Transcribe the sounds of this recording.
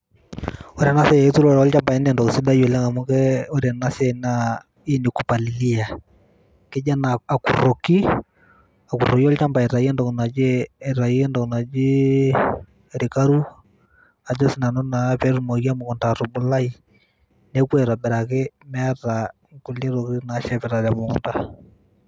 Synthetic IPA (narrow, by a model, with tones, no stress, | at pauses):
o˦ɾɛ˨na˦sɛ˦jtu˦ɾɔɾɔ˦lt͡ʃa˦mba˨ɛ˦nɛ˨ndɔ˨ksi˦da˦jɔ˨lɛ˦ŋa˨mu˦kɛ˦o˦ɾɛ˨na˦sɛ˦na | i˦ni˨ku˨pa˨li˨li˦a˨ | ke˦d͡ʒa˦na˨a˨ku˨ro˨ki˦ | a˨ku˨ro˨ki˦ɔ˦lt͡ʃa˦mba˨ɛ˨ɾa˨i˦ɛ˦ndɔ˨ku˨na˨d͡ʒe˦ɛ˨ɾa˨i˦ɛ˦ndɔ˨kna˨d͡ʒi˦˨ | ɾi˨ka˦ɾu˦ | a˨d͡ʒɔ˦si˨˦na˨nɔ˦na˨pɛ˦ɾu˦mo˨kja˦mo˨kɔ˨nda˨ɾo˨bu˨la˦i˨ | ne˦kwɛ˨ɾa˨bɛ˨ɾa˨ke˦mɛ˦a˦ɾa˨ | ŋku˨le˦ɾo˨ki˦na˦ʃɛ˨pɛ˨ɾa˨la˨mo˨ŋɔ̰˨nta˦